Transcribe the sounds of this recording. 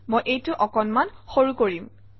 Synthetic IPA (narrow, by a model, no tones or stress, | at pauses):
mojʔejtʊʔɔkɔnmanxoɹukoɹim